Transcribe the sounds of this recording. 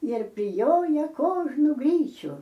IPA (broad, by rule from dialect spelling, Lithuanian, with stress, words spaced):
ɪr pʲrʲɪˈjoːjɛˈkoːʒnʊ ˈɡrʲiːt͡ʃʲʊ